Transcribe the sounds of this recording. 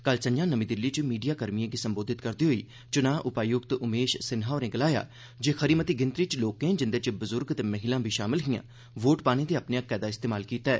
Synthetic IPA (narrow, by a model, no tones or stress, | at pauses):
kəlsəɲd͡ʒãːnəmĩːd̪ɪlːiːt͡ʃmiːɖijaːkəɾmijãːɡiːsəmboːd̪ɪt̪kəɾd̪iːɦoḭː | t͡ʃʊnãːʔʊpaːjʊɡt̪ʊmeːʃsɪnɦaːoːnẽːɡəlaːja̰ː | d͡ʒeːxʰəɾiːmət̪iːɡɪnt̪ɾiːt͡ʃloːkẽːd͡ʒɪnd̪eːt͡ʃəbʊzʊɾɡt̪eːməɦɪlãːbʱiːʃaːmɪlɦijã̰ː | ʋoːʈpaːɽ̃ẽːd̪iːəpnejaːkɛːd̪aːɪst̪eːmaːlkiːt̪aɛ̰ː